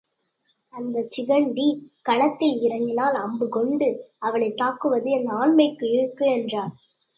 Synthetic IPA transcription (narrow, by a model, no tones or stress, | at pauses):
ɐnd̪ɐt͡ʃɪɣɐɳɖikɐɭɐt̪ːɐɪɾɐnɪnaːlɐmbɯkɔɳɖɯɐʋɐɭɐɪt̪ːaːkːɯʋɐðɯɛnd̪ɐaːnmɐɪkːɯɪɾɯkːɯɛndraːɾ